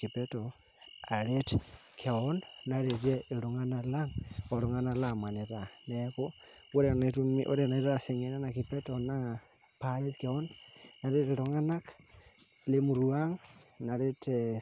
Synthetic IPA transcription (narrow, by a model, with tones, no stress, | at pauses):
ki˨pɛ˦tɔ˨ | a˨ɾe˦t | kʰe˨ɔ˦nːa˨ɾe˨d͡ʒɛ˦e˨lo˨ŋa˦na˨la˦ŋɔ˨ɾo˨ŋa˦na˦la˨ma˨ne˨ɾa˨nɛko˦ | o˦ɾe˨ne˨tu˦mi˦ʔo̰˦ɾe˨na˨˦ɾase˨ŋe˨na˦na˨ki˨pɛ˦tɔna˦ | pa˦ɾe˦tke˨ɔ˦nːa˨ɾe˦te˨ɾo˨ŋa˦na˦k | le˦mu˨ɾua˦ŋna˨ɾe˦te